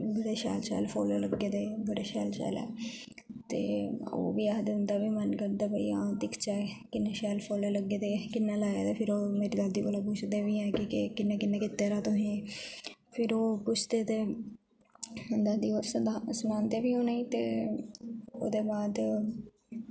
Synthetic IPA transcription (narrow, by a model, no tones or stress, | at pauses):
bəɽeːʃɛ̰ːlʃɛ̰ːlpʰo̰ːleːləɡeːd̪eːbəɽeːʃɛːlʃɛ̰ːlɛ̰ː | t̪ḛːo̰ːʋiːaːd̪ɪnd̪aːbiːmənkəɾd̪aːbəḭːãːd̪ɪkʰt͡ʃaːekɪnːeːʃɛːlpʰoːleːləɡeːd̪eːkɪnːãːlaːeːd̪eːpʰɪɾoːmeːɾiːd̪aːd̪iːbolaːpʊt͡ʃʰd̪eːʋiːɛ̃ːkɪkɪkɪnːeːkɪnːẽːkɪt̪ːeːɾaːt̪ʊsĩː | pʰɪɾoːpʊt͡ʃʰd̪eːt̪eː | d̪aːd̪iːoːssʊnãːnd̪eːbiːoːnaiːt̪ḛː | o̰ːd̪eːbaːd̪